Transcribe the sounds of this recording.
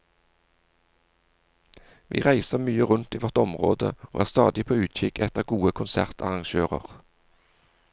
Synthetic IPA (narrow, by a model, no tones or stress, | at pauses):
ʋḭːʁæɪsəʁmyːəʁʉnt̪iːʋɔʁt̪ɔmʁo̰ːd̪ə̰oːʔæːʁst̪ɑːd̪ɪpʰoːʉːt̪c͡çɪkʰɛt̪əʁɡuːəkʰʊnsæ̰ʁt̪ʰɑ̰ʁɑŋʃøːʁə̰ʁ